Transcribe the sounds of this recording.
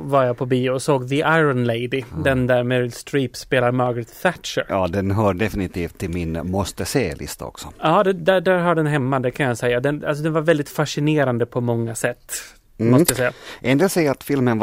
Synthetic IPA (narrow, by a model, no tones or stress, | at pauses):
vaɾjapʰɔbiːɔsoːɡðəʔaɪɾɔnlɛɪd̪ɪd̪ɛnd̪æɾmɛɾɪlst̪ɾiːpspeːlaɾmɑɾɡɾɪt̪θæt̪ʂə̰ɾɑːd̪ɛnɦœːɖɛfɪnɪt̪ʰiːft̪ʰːɪlmɪnmɔst̪əseːlɪ̰st̪a̰ɔ̰ksɔɑːd̪ɛd̪æɖæɾɦaɖɛnɦɛmːad̪ɛkʰanjasɛjːad̪ɛna̰lsɔd̪ɛnvaɾvɛld̪ɪt̪faʂɪneːɾand̪əpʰɔmɔŋːasɛt̪ː | mɔst̪əjasɛjːaʔɛnd̪eːlsɛjat̪fɪlmən